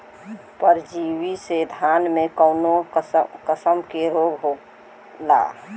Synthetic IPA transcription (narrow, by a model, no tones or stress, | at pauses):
pəɾd͡ʒiwised̪ʱaːnmẽkəʊnokəsəmkeɾoːɡɦo | la̰ː